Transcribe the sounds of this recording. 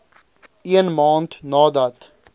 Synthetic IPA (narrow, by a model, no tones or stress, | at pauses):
iənmɑːntnɑːdɐt